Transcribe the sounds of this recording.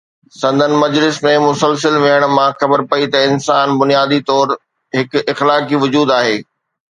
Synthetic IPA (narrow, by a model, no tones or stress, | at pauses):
sɐ̃nd̪ʱənɪ̆mɐd͡ʑlɪsmẽmʊsəlsəlʋeəɽ̃mãxɐbəɾpɐit̪ɐɪnsaːnbʊnijaːd̪it̪ɔːɾ | ɦɪkɪxlaːkiʋʊd͡ʑuːd̪aːɦeː